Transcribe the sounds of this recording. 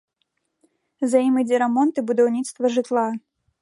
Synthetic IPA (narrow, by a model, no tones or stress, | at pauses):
zajimɨd͡zʲɛɾamɔnt̪ɨbud̪awnʲit̪st̪vɐʐɨt̪lˠa